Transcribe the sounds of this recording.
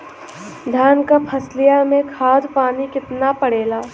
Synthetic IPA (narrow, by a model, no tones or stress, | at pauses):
d̪ʱjaːnkapʰɐslijamẽkʰaːd̪ʱpaːnikɪt̪napəɽeːlaː